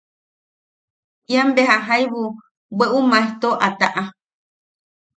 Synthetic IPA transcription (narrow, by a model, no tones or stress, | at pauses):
iambeɦaɦajβu | weʔumãet̪oʔat̪aʔa